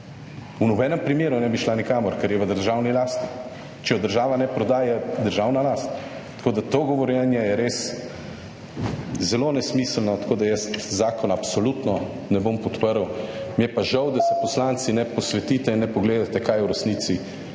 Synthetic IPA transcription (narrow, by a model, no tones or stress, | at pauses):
unɔbɛːnɛmpɾimeːɾunɛbiʃlanikaːmɔɾkɛɾjɛʋəd̪əɾʒawnilaːst̪i̥ | t͡ʃɛjɔd̪əɾʒaːʋanɛpɾɔd̪aːjɛd̪əɾʒawnalast̪ | t̪ːḁkoːd̪at̪oɡɔʋɔɾjɛnjɛjɛɾes | zɛlonɛsmislnɔt̪ḁkoːd̪ajɛst̪zaːkɔnapsolut̪nɔ | nɛbompɔt̪pəɾwmijɛpaʒɐwd̪asɛpɔslant̪sinɛpɔsʋɛt̪iːt̪ɛinːɛpɔɡleːd̪at̪ɛkajwɾɛst̪niːsi